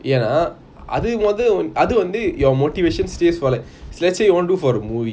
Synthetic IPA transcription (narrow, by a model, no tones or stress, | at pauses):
eːnaː | ʔɐ̰ðɯʋɐðɯɐðɯʋɐnd̪ɯjɔːmoːʈiʋeːʂɐnsʈeːsʋɔːlɛ̃slɛt͡ʃːɐjʋõːnɖuːfɔːɾɐmuːʋi